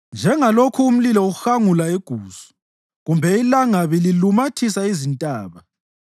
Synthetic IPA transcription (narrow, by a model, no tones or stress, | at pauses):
nd͡ʒʱɛŋalokʰuːm̩lilɔuxaŋulaeɡ̥ʱuːsu̥ | ɣumbʱɛilaŋaβililumatʰisaizintʼaːβa